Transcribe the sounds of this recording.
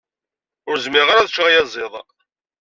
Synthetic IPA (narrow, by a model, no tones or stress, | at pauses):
ʊɾzmɪʁaɾæðt͡ʃʁajɑzˤeðˤ